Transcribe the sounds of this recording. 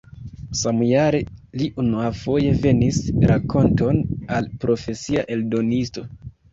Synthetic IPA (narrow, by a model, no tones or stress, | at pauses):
samujaɾe̞liʔunuafo̞je̞ve̞nisɾʔakʰo̞nto̞nalpɾo̞fe̞siaʔe̞ldo̞nisto̞